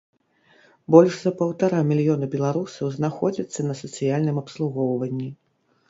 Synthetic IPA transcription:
bɔlʲʐzɐpɐwt̪aɾamʲilʲjɔnɐbʲɛlˠaɾusɐwznaxɔd͡zʲɐt̪sːɐnɐsɐt̪sɨjalʲnɨmɐpslˠuɣɔwvɐnʲːi

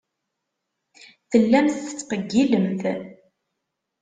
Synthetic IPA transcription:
θəlːæmθθə̥t͡sːfəɡːiləmθ

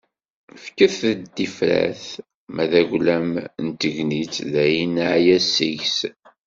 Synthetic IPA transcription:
fkəθəd̪ifɾæ̰θ | mæðæʝlæmnt̪əʝnit͡sðæjinːaʕjæsiʝs

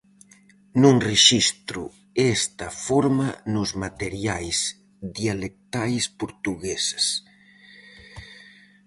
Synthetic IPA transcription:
nũŋreʃist̪ɾu | est̪ɐfɔɾmanʊzmat̪eɾjajs | ðjalek̚t̪ajspoɾt̪uɣesas

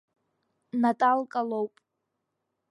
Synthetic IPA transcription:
natʼalkʼalowpʼ

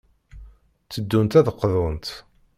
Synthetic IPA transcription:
t͡sːəd̪ːunt̪æðəqːðˤont̪

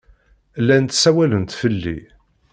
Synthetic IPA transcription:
lːænt̪sæwælənt̪fəlːḭ

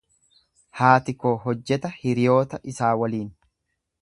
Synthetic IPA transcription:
haːt̪ɪkoːɦɔd͡ʒːɛt̪ɐhɪɾɪjo̞ːt̪ɐʔɪsaːwɐliːn

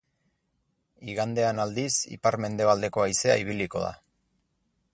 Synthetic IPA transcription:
iɣand̪e̞anald̪isḭpaɾme̞nd̪e̞β̞ald̪e̞ko̞ajse̞a̰iβ̞iliko̞ða̰

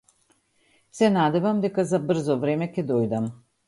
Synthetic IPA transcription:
sɛnad̪ɛvamd̪ɛkazabr̩zɔvɾɛmɛkɛd̪ɔjd̪am

